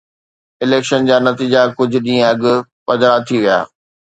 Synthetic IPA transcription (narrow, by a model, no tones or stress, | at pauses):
ɪleːkʃənd͡ʑaːnɐt̪iːd͡ʑakʊd͡ʑʱʊ̆ɗĩːə̃ɐɠʊ̆pɐd̪ɾat̪ʰiʋija̰ː